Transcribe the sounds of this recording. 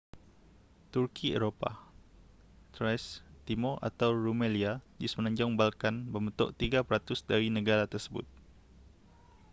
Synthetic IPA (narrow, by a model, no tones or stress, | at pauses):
t̪urkiḛɾopa̰ | t̪ɾajst̪imoʔa̰t̪awɾumeliad͡ʒʊsmənãɲd͡ʒɔŋbalkanbəmət̪ɔ̰ʔt̪iɡapəɾat̪ʊsdaɾinəɡaɾat̪ərsəbʊ̰t̪̚